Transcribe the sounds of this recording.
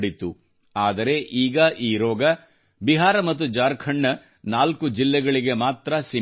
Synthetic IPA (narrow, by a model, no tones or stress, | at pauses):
ɽit̪u | aːd̪ɐɾe̞ʔiːɡɐʔiːɾɔːɡɐ | biɦaːɾɐmɐt̪̬ːud͡ʒaːɾkʰɐɳːɐ | naːlkud͡ʒilːɛɡɐɭiɡe̞maːt̪ɾɐsi